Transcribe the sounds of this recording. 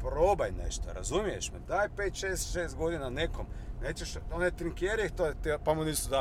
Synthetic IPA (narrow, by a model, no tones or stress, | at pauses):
pɾoːbajnḛʃt̪o̰ɾa̰zumijeʃmed̪aːjpeːt̪ʃeːsʃeːst̪̚ɡo̞d̪inanekom | neːt͡ʃeʃonet̪ɾiŋkeːɾiet̪ot̪epamoniːst̪ud̪a